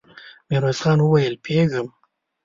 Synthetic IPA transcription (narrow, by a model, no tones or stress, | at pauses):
meɾozxɑnwəwajəlpʰeɡəm